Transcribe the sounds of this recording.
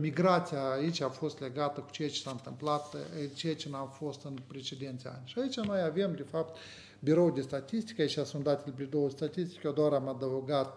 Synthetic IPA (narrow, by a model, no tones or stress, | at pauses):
mʲiɡɾat̪sʲijaːit͡ʃʲafost̪lʲeɡat̪əkʊ̥t͡ʃet͡ʃsant̪ɨmplˠat̪ɨt͡ʃet͡ʃɪnafost̪ɨnpɾʲet͡ʃʲed̪ʲent̪sea̰nʲʃait͡ʃʲanojavʲemdʲɪfapt̪ | bʲɪɾowd̪ʲɪst̪atʲisʲt̪ʲi̥kʲait͡ʃʲasund̪at̪ʲelʲblʲɪd̪olust̪atʲisʲtʲi̥kʲod̪oaɾamad̪aoɡat̪̚